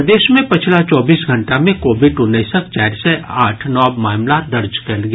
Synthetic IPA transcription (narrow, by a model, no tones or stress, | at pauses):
d̪eːʃmẽpɪt͡ʃʰlat͡ʃɔːbiːsɡʱɐ̃ɳʈamẽkoːbɪɖʊnesək̚t͡ʃaːɾsɛʔaːʈʰnɔːbmaːmlad̪ɐɾd͡ʒkɛlɡ